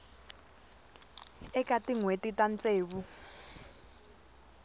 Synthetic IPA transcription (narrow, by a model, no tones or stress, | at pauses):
ɛkʼatʼiŋwetʼitʼant͡sʼeːβu